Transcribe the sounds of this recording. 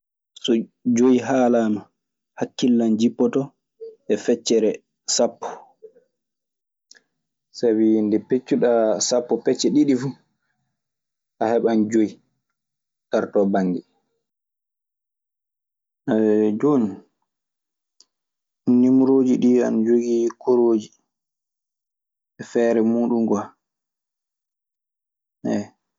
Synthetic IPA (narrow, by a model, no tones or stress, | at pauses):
sɔd͡ʒojiɦaːlaːma | hakːilːand͡ʒipːɔtɔ | ɛfɛt͡ʃːɛɾɛ | sapːɔ̥ | sabindɛpet͡ʃːuɗasapːɔpɛt͡ʃːɛɗiɗifu | ʔahɛɓand͡ʒoi | taɾtɔbaŋɡi | ad͡ʒon | nːimɾoːd͡ʒiɗia̰nd͡ʒoɡikʰoɾoːd͡ʒi | ɛfɛːɾɛmuːɗumɡa | ʔɛ